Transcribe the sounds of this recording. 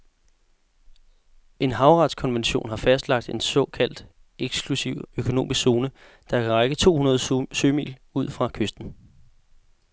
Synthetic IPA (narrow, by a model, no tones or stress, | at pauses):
e̝nɦɑ̈ʊʁɑ̈d̥skʰɒ̽nʋenɕo̝̰ːnɦɑ̈fæsd̥lɑ̈ɡ̥̚d̥e̝nsɒ̽kʰæl̰d̥ | eɡ̥sɡ̥lusiʊ̰økʰo̝no̝̰ːmisɡ̥so̝ːnə | d̥ɑ̈kʰʁaɡ̥ət͡sʰo̝̰ːhunɐð̞̩ˠsøːmḭːluð̞̰ˠfʁɑ̈kʰøsd̥n̩